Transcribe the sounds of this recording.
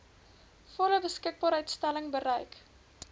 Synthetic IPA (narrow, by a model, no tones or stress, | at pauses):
fɔləbəskək̚bɑːɾəjtstæləŋbəɾəjk